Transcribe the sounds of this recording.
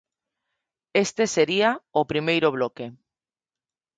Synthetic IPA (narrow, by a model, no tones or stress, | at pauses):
est̪eseɾiaopɾimejɾoβ̞loke